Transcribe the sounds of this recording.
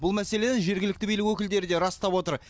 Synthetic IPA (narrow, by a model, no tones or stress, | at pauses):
bʊlˠmæse̞le̞nenʒe̞ɾɡʲɪlɪk̚t̪ɪbejlɪkwɵkʲɪld̪e̞ɾɪd̪e̞ɾɑst̪ɑpwo̞t̪əɾ